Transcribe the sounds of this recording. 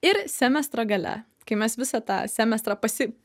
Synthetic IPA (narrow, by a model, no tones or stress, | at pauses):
ɪɾsʲæmʲɛst̪ɾɐɡɐlʲɛ̰ | kɐɪmʲɛsʋʲɪsɑt̪ɑ̰ːsʲæmʲɛst̪ɾɑːpɐsʲɪ